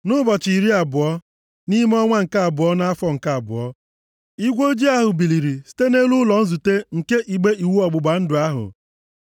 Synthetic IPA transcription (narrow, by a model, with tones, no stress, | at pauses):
nʊ˦bɔ˨t͡ʃi˨ɾi˦a˨bʊ˨ɔ˦ | ni˦m˦ɔ˦ŋʷa˦ŋ̩˨ka˦a˨bʊ˨ɔ˦na˦a˦fɔ˦ŋ̩˨ka˦a˨bʊ̰˨ɔ˦ | i˦ɡʷo˦d͡ʒi˦a˦ɦʊ˨bi˨li˨ɾi˨si̥˦te˦ne˦lu˦lɔ˨n̩˦zu˨te˦ŋ̩˨ke˦ʔi˨ɡ͡be˦ʔi˨wu˦ɔ˨ɡ͡bʊ˨ɡ͡ba˨n̩˦dʊ˨a˦ɦʊ̰˨